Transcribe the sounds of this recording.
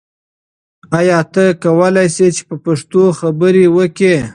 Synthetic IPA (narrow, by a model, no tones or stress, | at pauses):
ajɑt̪əkawəlajset͡ʃe̥pəpaʂt̪oxabəɾewəke